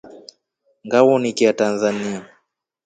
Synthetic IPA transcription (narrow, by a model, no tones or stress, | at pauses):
ŋɡawɔnikiatanzania